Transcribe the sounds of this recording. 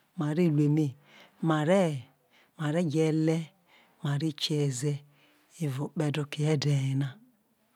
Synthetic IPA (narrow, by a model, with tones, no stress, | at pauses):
ma˨ɾi˦˨le˨me˦˨ | ma˨ɾɛ˦˨ | ma˨ɾe˦˨ɡɛ˨lɛ˦ | ma˨ɾi˦t͡ʃɛ˨zɛ˦ | e˨vo˨k͡pɛ˦do˦˨ke˨ɛ˦de˨e˨na˦